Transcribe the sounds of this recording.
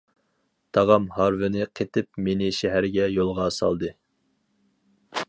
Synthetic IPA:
t̪ʰɑʁɑmhɑɾvɪnɨqʰet̪ɪp̚menɪʃɛɦæɾɡʲɛjolˠʁɑsɑ̰lˠd̪ɨ

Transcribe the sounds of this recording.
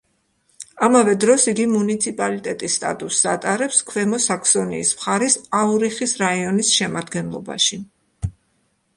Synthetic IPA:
amavɛd̪ɾɔsiɡimunit̪sʰipʼalit̪ʼɛt̪ʼisːt̪ʼa̰t̪ʼusːa̰t̪ʼaɾɛpskʰwɛmɔsakʰsɔnḭːsmχaɾisauɾiχisɾaiɔnisʃɛmad̪ɡɛnlˠɔ̰ba̰ʃi

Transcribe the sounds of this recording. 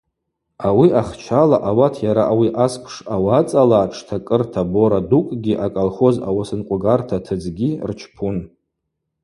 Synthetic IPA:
awiʔaχt͡ʃʰalaʔawatʰjaɾaʔawiʔaspʰʂawat͡sʼalaːʈ͡ʂʰtʰakʼɨrtʰabo̞ɾadukʼɡʲiʔakʼalχo̞za̰wasɨnqʷʼʊɡartʰatʰɨd͡zɡʲirt͡ʃʰpʰun

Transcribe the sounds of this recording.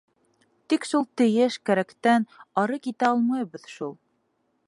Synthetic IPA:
t̪ikʃulˠt̪ɘ̆jɘʃkæɾækt̪ænɑɾɤkit̪æɑlˠmɑjɤβɤðʃulˠ

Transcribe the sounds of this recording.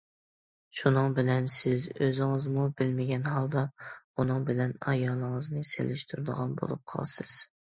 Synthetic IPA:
ʃunɨŋbɪlɛnsɪzøzɪŋɨzmubɪlmɪɡʲɛnhɑlˠd̪ɑunɨŋbɪlɛnɑjɑlˠəŋəznɨsḛlɪʃt̪ʰuɾd̪əʁɑnbo̰lˠup̚qʰɑ̰lˠsɨz̥

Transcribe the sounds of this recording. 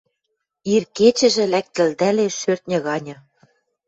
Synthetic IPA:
irket͡ɕɘ̆ʒɘ̆læk̚t̪ɘ̆ld̪æleʃørt̪nʲɤ̆ɣɑnʲɤ̆

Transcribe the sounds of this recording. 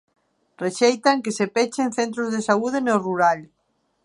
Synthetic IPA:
reʃejt̪aŋkesepet͡ʃenθent̪ɾozðesauð̞enoruɾal

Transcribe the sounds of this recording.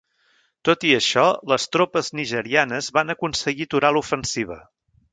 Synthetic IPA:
t̪ot̪iəʃɔləst̪ɾopəzniʒəɾianəzβanəkunsəɣit̪uɾalufənsiβ̞ə̰

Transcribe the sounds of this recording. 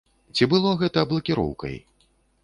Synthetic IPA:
t͡sʲibɨlˠɔɣɛt̪ɐːblˠɐkʲiɾɔ̰wkɐ̰j

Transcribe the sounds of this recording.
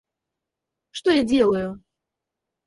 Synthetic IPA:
ʂt̪ɔjad͡zʲelˠɐjʊ

